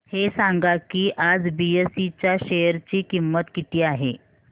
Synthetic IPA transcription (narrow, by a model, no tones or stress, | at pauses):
hesaŋɡakiːʔad͡zbiesit͡ɕjaɕejəɾt͡ɕiːkimːət̪kit̪iːaɦḛ